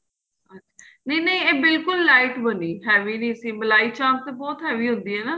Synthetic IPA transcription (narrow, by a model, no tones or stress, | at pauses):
ətːʃʰaː | nẽinẽːeːbɪlkʊlːaːɪʈbəniːɦɛːʋiːnĩːəsĩːməlaːiːt͡ʃãːnst̪ebɔːt̪ɦɛːʋiːɦʊ̃nd̪iːɦɛːnaː